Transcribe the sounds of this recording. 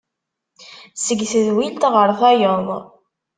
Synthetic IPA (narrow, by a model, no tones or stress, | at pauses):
səɡθəðwilt̪ʁəɾˤθæjoðˤ